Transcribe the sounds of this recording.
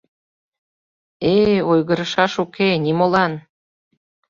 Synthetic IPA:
eojɣə̆ɾɤ̆ʃɑʃukenimolɑn

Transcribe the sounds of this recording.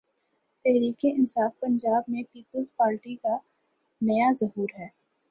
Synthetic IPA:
t̪ɛɦɾiːkeʔɪnsaːfpɐ̃ɲd͡ʒaːb̚mẽpiːpəlzpaːɾʈika | nɐjazɐɦuːɾɦɛː

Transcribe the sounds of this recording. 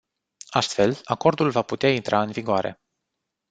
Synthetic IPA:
ast̪fe̞lako̞rd̪ulvaput̪eaint̪ɾʔaɨnviɡoaɾe̞̰

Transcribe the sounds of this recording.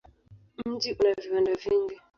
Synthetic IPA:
m̩d͡ʒiʔunaviwandaviŋɡi

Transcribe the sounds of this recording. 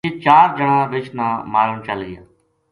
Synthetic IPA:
eːt͡ʃaːɾd͡ʒəɳãːʋɪt͡ʃnãːmaːɾəɳt͡ʃəliaː

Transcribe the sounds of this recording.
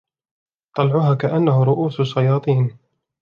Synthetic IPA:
t̪ˤɑlʕʊɦaːkaʔanːahʊɾˤʊʔuːsʃːajɑːt̪ˤiːn

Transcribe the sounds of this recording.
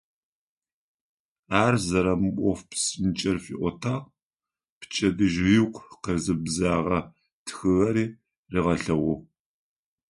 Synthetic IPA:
aːrzɐɾɐmɨʔʷʼɔfpsɨnt͡ʃʼɐrfḭʔʷɔtʰaːʁ | pt͡ʃʰʼɐdɨʒʁiːqʷqezɨbzaːʁɐ | tʰxɨɣɐɾiː | riːʁɐɬɐwɔʁ

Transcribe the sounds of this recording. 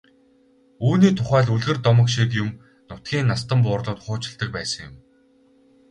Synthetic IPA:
uːniːt̪ʰʊχæːɮuɮɣɘ̆rt̪ɔmə̆kʃik̬jʊm | nʊt̪̚ɡʲiːnːast̪ə̆mp̬ʊːrɮʊːt̪χʊːt͡ɕɪ̆ɮt̪ə̆k̚pæːsə̆ŋjʊm

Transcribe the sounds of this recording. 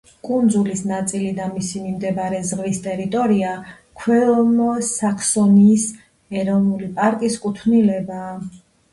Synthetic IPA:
kʼund̪zulisnat̪sʼilid̪amisimimd̪ɛbaɾɛzʁvist̪ʼɛɾit̪ʼɔɾia | kʰwɛlmɔsakʰsɔniːs | ɛɾɔvnulipʼaɾkʼiskʼut̪ʰvnilɛbaː

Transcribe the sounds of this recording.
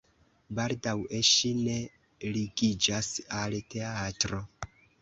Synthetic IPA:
baldawe̞ʃine̞ | liɡid͡ʒasalte̞atɾo̞

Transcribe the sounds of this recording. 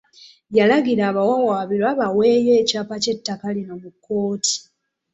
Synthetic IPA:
jalaɡiɾaːβawawaːβilaβawe̞ːje̞ːcaːpace̞tːakalino̞mukːo̞ːti̥

